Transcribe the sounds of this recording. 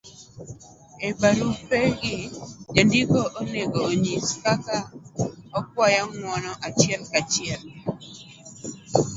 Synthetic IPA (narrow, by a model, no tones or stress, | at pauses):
ebaɾupeɡɪd͡ʒandikoʔoneɡoːɲiskakaɔk̚wajaŋwɔnɔʔat͡ʃjɛlkat͡ʃjɛl